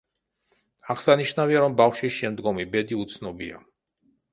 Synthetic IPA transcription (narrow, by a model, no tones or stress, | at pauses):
aʁsaniʃnaviaɾɔmbafʃisʃɛmd̪ɡɔmibɛd̪iut̪sʰnɔbia̰